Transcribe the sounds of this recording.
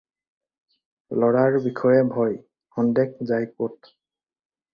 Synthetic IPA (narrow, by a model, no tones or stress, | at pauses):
lɔɹaɹbikʰɔjɛbʱɔj | kɔndɛkzajkot̚